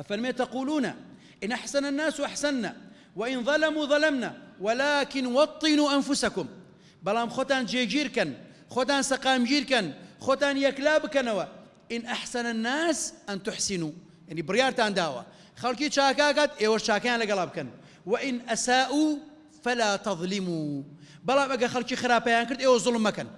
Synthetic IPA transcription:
ʔafaɾmeːt̪aquːluːna̰ | ʔɪnʔaħsananːaːswʔaħsanːa̰ | waʔɪnðˤɑlamuːðˤɑlamnawalaːkɪnwɑt̪ˤːɨnuːʔanfʊsakʊm | bɑlaːmxoːt̪aːnd͡ʒeːd͡ʒiːɾkɐn | xoːt̪̬aːnsaqaːmd͡ʒiːɾkanxoːt̪aːnjaklaːbkɐnawa | ʔɪnʔaħsɐnanːaːsʔɐnt̪ʊħsɪnuː | jaʕniːbɨrjaːɾt̪aːnd̪aːwɐ̰ | xɐlˠkiːt͡ʃaːkakaːt̪ʔeːwɐʃt͡ʃaːkɐjaːnlɐɡɐlˠaːbɨkɐn | wɐʔɪnʔɐsaːʔuː | fɐlaːt̪ɑðˤlɪmuː | bɑlˠaːmʔɐɡɐɾxɐlt͡ʃiːxɨɾaːbpɐjaːnkɨɾd̪eːwɐzʊlmːɐkɐn

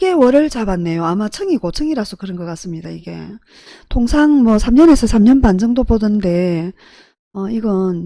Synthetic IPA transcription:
ɡe̞wʌɾɯɭt͡ɕabanːe̞joamat͡ɕʰɯŋiɡot͡ɕʰɯŋiɾas͈ʰokɯɾʌnɡʌk͈as͈ɯmɲidaiɡe̞̰ | tʰoŋsʰaŋmwʌsʰamɲʌne̞sʰʌsʰamɲʌnpand͡ʑʌŋdobodɯnde̞ | ʌiɡʌn

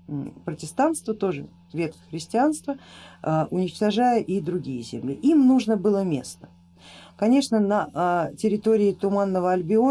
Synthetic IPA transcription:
pɾətʲɪst̪ant̪st̪vət̪o̞ʐɨ̰ | vʲet̪kəxɾʲɪsʲtʲɪanst̪vəəʔʊnʲɪt͡ɕt̪ɐʐajəʔid̪ɾʊɡʲijəzʲɪmlʲiʔimnuʐnəbɨlˠəmʲe̞̰st̪ə̥ | kɐnʲe̞ʂnənətʲɪɾʲɪt̪o̞ɾʲɪɪt̪ʊmanːəvəɐlʲbʲɪo

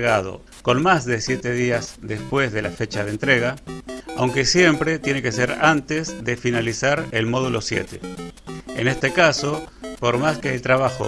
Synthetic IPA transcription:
ɣað̞o̞̰ | ko̞nmazðe̞sje̞t̪e̞ðiazðespwe̞zðe̞lafe̞t͡ʃað̞ent̪ɾe̞ɣaawŋke̞sje̞mpɾe̞t̪je̞ne̞ke̞se̞ɾant̪ezðefinalisaɾelmo̞ð̞ulo̞sjḛt̪ḛ | ḛne̞st̪ekaso̞po̞ɾmaskeːlt̪ɾaβ̞axo̰

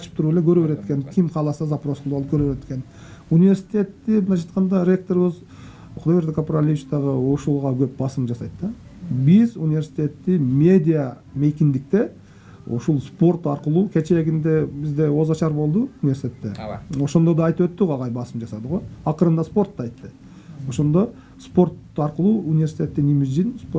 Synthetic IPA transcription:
qʰɑt͡ʃɪ̥p̚t̪ʰʊɾulekʲʰɵɾubeɾet̪kʲenkʲʰɪmqʰɑlˠɑsɑzɑpro̞sqlˠuɑlˠəpkʰɵɾubeɾekʲe̞n | unive̞ɾsi̥t̪ʲe̞t̪ːɪmənɑʒɑjt̪qɑnd̪ɑɾʲe̞k̚t̪o̞ɾɪβɪz | qʰʊd̪ojeɾd̪ekʰapɾalʲiit͡ʃt̪ɑʁəuʃulˠʁɑkʲʰɵp̚bɑsəmd͡ʒɑsɑjt̪t̪ɑbɪzunivʲe̞ɾsi̥t̪ʲe̞t̪ːɪme̞d̪ʲija | mejkʲɪnd̪ɪk̚t̪e̞ | ʊ̰ʃolˠspo̞ɾt̪ɑɾqəlˠukʲʰet͡ʃeɡʲɪnd̪e̞bɪzd̪e̞wo̞zɑʃɑɾbo̞lˠd̪əunivʲesʲit̪ʰet̪ːeo̞ʃo̞nd̪od̪ɑːjt̪əpwɵt̪ːɪʁɑʁɑjbɑsəmd͡ʒɑsɑd̪əʁo̞jɑqəɾənd̪ɑspo̞ɾt̪ːɑɑjt̪ːə | oʃo̞nd̪o | spo̞ɾt̪ | ɑɾqəlˠuunivʲe̞ɾsit̪ʰʲe̞t̪ːenimɪd͡ʒinspo

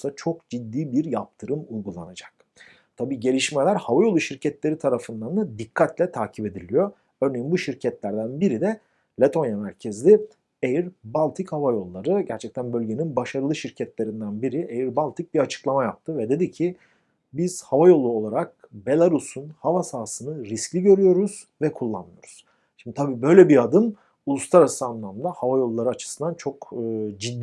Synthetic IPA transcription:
sat͡ʃʰo̞kd͡ʒid̪ːiːbiɾjap̚t̪ʰɯɾɯmujɡulˠa̰nad͡ʒḁk̚ | t̪ʰabiːɟe̞lʲiʃmɛlʲæɾhavajo̞lˠuʃiɾcʰɛt̪lʲe̞ɾit̪ʰaɾafɯnd̪and̪ad̪ikʰːat̪lʲɛt̪ʰaːcʰibe̞d̪ilʲijo | ø̞ɾne̞jinbuʃiɾcʰɛt̪lʲæɾd̪ænbiɾid̪ɛ | lʲet̪ʰo̞njamæɾcʰɛzlʲi | ejiɾbalʲˠt̪ʰichavajo̞lˠːaɾɯɟæɾt͡ʃʰɛc̚t̪ʰænbø̞lʲɟe̞ninbaʃaɾɯlˠɯʃiɾcʰɛt̪lʲe̞ɾind̪ænbiɾiʔejiɾbalʲˠt̪ʰic̚biɾat͡ʃʰɯ̥klˠamajap̚t̪ʰɯvɛd̪e̞d̪icʰi | biz̥havajo̞lˠuo̞lˠaɾak̚be̞lʲˠaɾusunhavasaːsɯnɯɾisclʲiɟø̞ɾyjo̞ɾuz̥ | vɛkʰulˠːa̰nmɯjo̞̰ɾuz̥ | ʃimd̪it̪ʰabiːbø̞jlʲɛbiad̪ɯm | ulˠust̪ʰˠaɾasɯanlːˠamd̪ahavajo̞lˠːaɾɯat͡ʃʰɯ̥sɯnd̪ant͡ʃʰo̞kːd͡ʒid̪ː

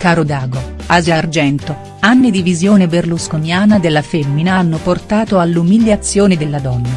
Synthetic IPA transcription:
kaːɾod̪aːɡoazard͡ʒɛnt̪o | anːid̪ivizjoːneberluskonjaːnad̪elːafemːinaanːoport̪aːt̪oalːumiʎjat̪sːjoːned̪elːad̪ɔnːa

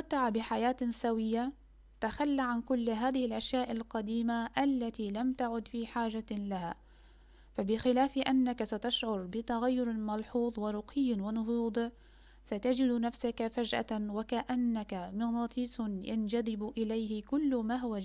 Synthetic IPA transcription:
at̪ːaʕabɪħajaːt̪sawɪjːa | t̪axalːaʕankʊlːɦaːðɪhɪlʔaʃjaːʔɪlqɑd̪iːmaʔalːat̪ilamt̪aʕʊd̪fiːħaːʒalaha̰ː | fabɪxɪlaːfʔanːakasat̪aʃʕʊɾˤbɪt̪aɣajːʊɾmɑlħuːðˤwɪɾˤʊqʰɪjːwɪnʊɦuːd̪ˤ | sat̪ad͡ʒɪd̪nafsakafad͡ʒʔa̰wakaʔanːakamɪnɑːt̪ˤiːsjand͡ʒad̪ɪbʔɪlajhɪkʊlːmaːɦʊwa

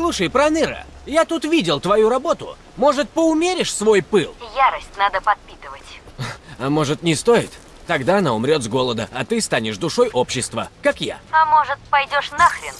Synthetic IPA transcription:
slˠuʂəjpɾɐnɨɾə̰jat̪ut̪vʲidʲɪlˠt̪vɐjuɾɐbo̞t̪ʊ̰ | mo̞ʐɨt̪̚pəʊmʲeɾʲɪʂsvo̞jpɨlˠjaɾəsʲtʲnad̪əpɐt̪̚pʲit̪ɨvətʲɐmo̞ʐɨt̪nʲɪst̪o̞jɪt̪ː | ɐɡd̪aɐnaʊmɾʲo̞t̪zɡo̞lˠəd̪əɐt̪ɨst̪anʲɪʂd̪ʊʂo̞jʔo̞pɕːɪst̪və̰kakja̰ɐmo̞ʐɨt̪̚pɐjdʲoʂnaxɾʲɪ̰n

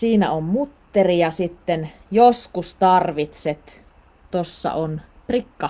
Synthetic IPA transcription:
siːnæ̰ommut̪ːerijɑsit̪ːen | joskust̪ɑrʋit̪set̪ | t̪osːɑ̰ʔon | prikːɑ

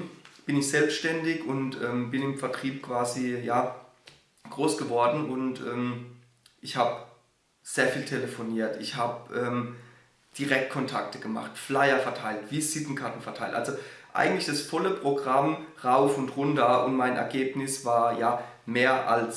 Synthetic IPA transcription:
b̥ɪnɪçz̥ɛlpstʃtɛndɪçʊntʔɛːmbɪnɪmfɛɐtʁ̥iːp̚kʰv̥aːzijaː | ɡ̥ʁoːsɡ̥əvɔɐdn̩ʔʊntʔɛːm | ʔɪçhaːb | z̥eːɐfiːltʰeləfoniːɐtɪçhaːbəʔɛːm | d̥iʁɛk̚t̚kʰɔntʰak̚təɡ̥əma̰χtflaɪɐfɛɐtʰaɪltv̥iːsɪtn̩kʰaɐtn̩fɛɐtʰaɪltʔa̰lzoʔa̰ɪɡŋ̩tlɪçd̥asfɔləpʁ̥oɡʁamʁaʊfʊntʁʊntɐʔʊ̰ntmaɪnʔɛ̰ɐɡeːpnɪsv̥aːɐjaː | meːɐʔa̰ls

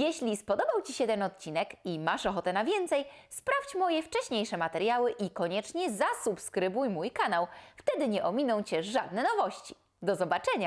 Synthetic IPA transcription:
jɛɕlʲispɔd̪ɔbawt͡ɕiɕɛt̪ɛnɔt̪̚t͡ɕinɛkimaʂɔxɔt̪ɛnavʲjɛnt̪sɛjspɾaft͡ɕmɔjɛft͡ʂɛɕɲejʂɛmat̪ɛɾjawɘʔikɔɲɛt͡ʂɲɛzasupskɾɘbujmujkanawft̪ɛd̪ɘɲɛʔɔmʲinɔ̃w̃t͡ɕɛʐad̪̚nɛnɔvɔɕt͡ɕi̥ | d̪ɔzɔbat͡ʂɛɲa

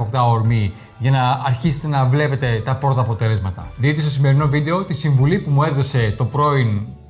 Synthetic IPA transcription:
okt̪ɐoɾmi | ʝɐnɐɐɾçise̞̥t̪e̞nɐvle̞pe̞t̪e̞t̪ɐpɾo̞t̪ɐːpo̞t̪e̞le̞zmɐt̪ɐ̰ðiit̪ist̪o̞sime̞ɾino̞vid̪e̞o̞t̪isiɱvulipumue̞ðo̞se̞t̪o̞pɾo̞in

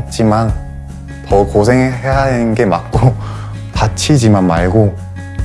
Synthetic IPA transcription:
t̚t͡ɕ͈iman | tʌkosʰe̞ŋɦeɦanɯnɡe̞mat̚k͈o | tat͡ɕʰid͡ʑimanmaɭɡo

